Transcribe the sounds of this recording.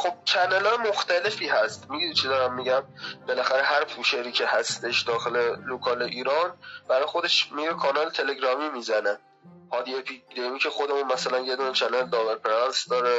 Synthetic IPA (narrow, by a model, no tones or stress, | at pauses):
xob̥̚t͡ʃʰænelɒjemoxt̪æle̞fiːɦæst̪miɡinit͡ʃʰed̪ɒɾæmːiɟæmb̥e̞læxæɾeɦæɾpʰuːʃeɾiːcʰe̞hæst̪e̞ʃd̪ɒːxelelokʰɒːleʔiːɾɒnb̥æɾɒːjexo̞d̪e̞ʃmiɾekʰɒnɒːlet̪ʰe̞le̞ɡɾɒːmiːmiːzæne | hɒːd̪iepʰid̪emiːcʲʰe̞xod̪emunmæsælænjed̪uːnet͡ʃʰænɑld̪ɒːveɾpʰeɾɑnsd̪ɒːɾe